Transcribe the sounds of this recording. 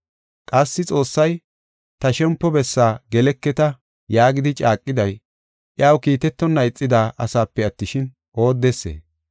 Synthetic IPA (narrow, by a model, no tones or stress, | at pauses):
kʼɐsːɪt͡sʼo̞ːsːɐj | t̪ɐʃɛmpːɔbɛsːaːɡɛlɛkːɛt̪ɐ | jaːɡɪd̪ɪt͡ʃʼaːkʼːɪd̪ɐj | ʔɪjaːwkiːt̪ɛt̪ːɔnːɐɪt͡sʼːɪd̪aːʔɐsaːpːɛɐt̪ːɪʃɪn | o̞ːd̪ːesːḛː